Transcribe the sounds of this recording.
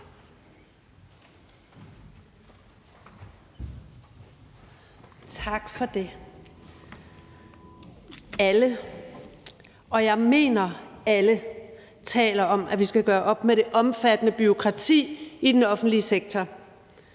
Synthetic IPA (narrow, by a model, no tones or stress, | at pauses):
t͡sʰɑ̈ɡ̥fɒ̽d̥e̝ | ælə | ɒ̽jɑ̈ɪme̝̰ːnɐælə | t͡sʰɛ̰ːlɐɒ̽mʔæʋisɡ̥æɡ̥ɶːɐʔɒ̽b̥meɾ̥e̝ʔɒ̽mfæd̥ənəb̥yo̝kʰʁɑ̈t͡sʰḭːid̥enɒ̽fn̩d̥liəseɡ̥̚t͡sʰɒ